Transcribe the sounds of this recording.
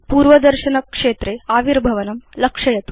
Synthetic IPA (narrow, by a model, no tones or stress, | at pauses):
puːɾʋɐd̪ɐɾɕɐnɐkʂeːt̪ɾeaːʋiɾbʱɐʋɐnɐmlɐkʂɐjɐt̪u